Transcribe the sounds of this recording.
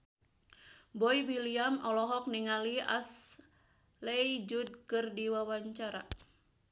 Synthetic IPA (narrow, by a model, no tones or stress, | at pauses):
bɔiwiliamɔlɔɦɔk̚niŋalia̰s | led͡ʒud̚kɨrdiwawaɲt͡ʃaɾa̰